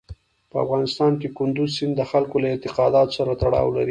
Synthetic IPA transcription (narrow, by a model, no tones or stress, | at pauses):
pəa̰fɣɑnɪst̪ɑnkekʊnd̪uzsɪnd̪əxalkolaɪnt̪ɪqɑd̪ɑt̪o̥saɾat̪aɽɑ̰wlaɾi